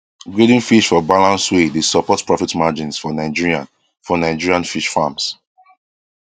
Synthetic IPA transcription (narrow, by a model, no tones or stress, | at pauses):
ɡɹedĩnfiʃfɔbalãnswedesəpɔtpɹɔfitmad͡ʒĩnsfɔnaɪd͡ʒiɹiã̰n | fɔnaɪd͡ʒiɹiãnfiʃfams